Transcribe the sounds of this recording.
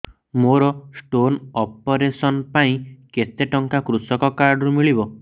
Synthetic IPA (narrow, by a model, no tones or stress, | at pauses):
moɾɔsʈonɔpɔɾesɔnpaĩket̪eʈɔŋkakɾusɔkɔkaɾɖɔɾumiɭibɔ